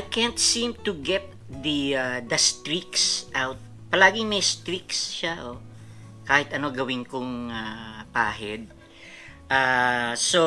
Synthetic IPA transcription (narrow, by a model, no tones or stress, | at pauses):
akɛnt̪sĩmt̪uɡɛp̚ | d̪ɐad̪ɐst̪ɾiksʔawt̪̚ | pɐlaːɡɪŋmɛjst̪ɾiksʃaʔo | kaːhɪt̪ɐno̞ɡɐwɪŋkoŋapaːɦɛd̪̚ | ʔaso